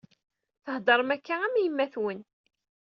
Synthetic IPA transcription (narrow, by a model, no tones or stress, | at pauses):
θəhd̪ɑɾˤəmækːææmjəmːæθwən